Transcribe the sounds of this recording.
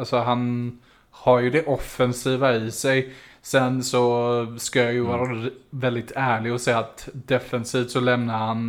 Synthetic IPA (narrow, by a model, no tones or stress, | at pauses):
alsɔɦan | haɾjɵd̪ɛʔɔfːɛnsiːvaɪsɛjsɛnsɔskajajɵvɑːɾavɛld̪ɪt̪ʰæːɭɪɡɔsɛjːaːt̪d̪ɛfɛnsiːft̪sɔlɛmnaɾhan